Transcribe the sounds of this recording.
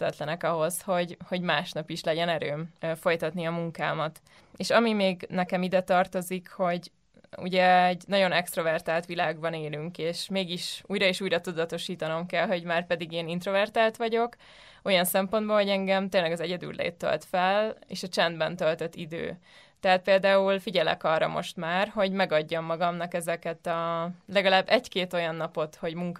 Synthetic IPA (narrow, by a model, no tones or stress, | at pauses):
t̪ɛt̪lɛnɛkɒɦo̞sho̞ɟho̞ɟmaːʃnɒpiʃlɛɟɛnɛɾøːmfo̞jt̪ɒt̪niɒmuŋka̰ːmɒt̪ | eːʃɒmimeːɡnɛkɛmid̪ɛt̪ɒrt̪o̞zikho̞ɟ | ṵɟɛɛɟnɒɟo̞nɛkst̪ro̞vɛrt̪aːlt̪ʋilaːɡbɒneːlyŋkeːʃmeːɡiʃuːjɾɒeːʃuːjrɒt̪ud̪ɒt̪o̞ʃiːt̪ɒno̞mkɛlɦo̞ɟmaːrpɛd̪iɡeːnint̪ro̞vɛrt̪aːlt̪ʋɒɟo̞k | o̞jɒnsɛmpo̞nd̪boːlho̞ɟɛŋɡɛmt̪eːnlɛɡɒzɛɟɛd̪y̰lːḛːt̪ːø̰lt̪fɛlḛːʃɒt͡ʃɛnd̪bɛnt̪ølt̪øt̪ːid̪ø̰ː | t̪ɛɦat̪̚peːld̪aːulfiɟɛlɛ̰kɒrːɒ̰mo̞̰ʃt̪maːrɦo̞ɟmɛɡɒɟːomːɒɡɒmnɒkɛzɛkɛt̪ɒlɛɡɒlaːbːɛɟkeːt̪o̞jɒnːɒpo̞t̪ho̞ɟmuŋk